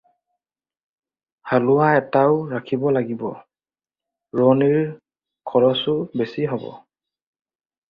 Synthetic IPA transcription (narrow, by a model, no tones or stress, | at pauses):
halʊwaɛtaʊɹakʰibɔlaɡibɔ | ɹɔniɹ | kʰɔɹɔsʊbesiɦɔbɔ̰